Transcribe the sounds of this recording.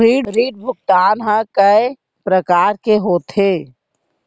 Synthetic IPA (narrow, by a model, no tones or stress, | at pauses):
ɾiːɖɾiːɖ̚bʱʊɡ̚t̪aːnɦãkəe | pɾəkaːɾkeɦoːt̪ʰeː